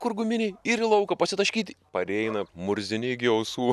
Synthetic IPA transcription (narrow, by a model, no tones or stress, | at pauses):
kʊɾɡʊmʲɪnʲɪiɾʲlˠɐʊkɐpɐsʲɪt̪ɐʃʲkʲiːt̪ʲɪpɐɾʲɛɪnɐmʊɾʲzʲɪnʲɪɡʲɛʊsuː